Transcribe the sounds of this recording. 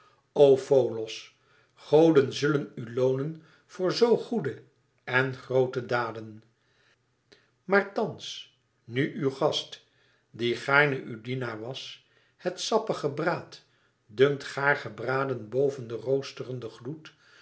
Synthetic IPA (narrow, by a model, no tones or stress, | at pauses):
owfowlɔs | χowdənzɵlənylownən | v̥ʊːɹzowχudə | ɛnχrowtədaːdən | maːɹtɑns | nyʔywχɑst | diχaːɹnəʔydinaːɹʋɑs | hətsɑpəχəbraːt | dɵŋtχaːɹχəbraːdənbowvəndərowstərəndəχlut